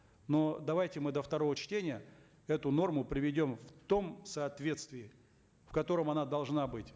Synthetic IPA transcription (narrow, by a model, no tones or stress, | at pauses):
no̞d̪ɐvajtʲɪmɨd̪əft̪ɐɾo̞vət͡ɕtʲenʲɪjə | ɛt̪ʊno̞rmʊpɾʲɪvʲɪdʲo̞mft̪o̞msɐːt̪vʲe̞t̪st̪vʲɪɪ | fkɐt̪o̞ɾəmɐnad̪ɐlˠʐnabɨtʲ